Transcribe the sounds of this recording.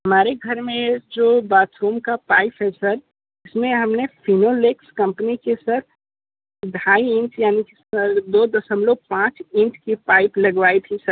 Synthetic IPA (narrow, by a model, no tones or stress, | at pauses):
ɦəmaːɾeɡʱəɾmẽd͡ʒoːbaːtɾumkapaːɪpɦɛsəɾ | ɪsmẽɦəmnepʰinolekskɐ̃mpnikesəɾ | d̪ʱaːiɪ̃nʈjaːnikesəɾd̪oːd̪əsəmloːɡ̚pãːt͡ʃɪ̃nʈkipaːɪplɐɡʋaːit̪ʰisəɾ